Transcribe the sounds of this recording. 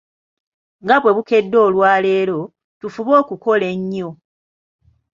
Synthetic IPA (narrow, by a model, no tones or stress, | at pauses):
ŋɡaβwe̞βuke̞dːo̞ːlwaːle̞ːlo̞ | tufuβo̞ːkuko̞le̞ɲːo̞